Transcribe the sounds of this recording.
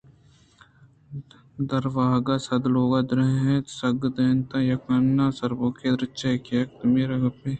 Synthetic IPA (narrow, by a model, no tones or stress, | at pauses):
d̪ɐɾʋaːɦɡasɐd̪loːɡad̪ɾɐɦɦẽt̪sɐɡd̪ɐnt̪ajɐkɐnːaːsɐɾboːked̪ɾɐt͡ʃɐkeɐk̚t̪miɾɐɡɐpeː